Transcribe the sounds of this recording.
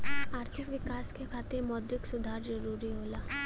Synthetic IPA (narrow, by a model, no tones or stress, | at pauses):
aːɾt̪ʰɪkʋɪkaːskekʰaːt̪ɪɾmɔːd̪ɾɪksʊd̪ʱaːɾzɐɾuːɾiɦoːlaː